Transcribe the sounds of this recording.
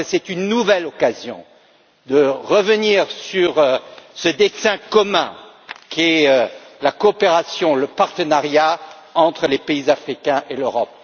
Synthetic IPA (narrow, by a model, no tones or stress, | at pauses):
sɛt̪ynːuvɛlɔkazjɔ̰̃ | d̪əʁəvəniʁsyʁsəd̪esɛ̃kɔmɛ̰̃ | kʲiɛølakɔːpeʁasjɔ̃ləpaʁt̪ənaʁja | ɑ̃t̪χəlepeizafχikʲɛ̃ʔeløʁɔp̚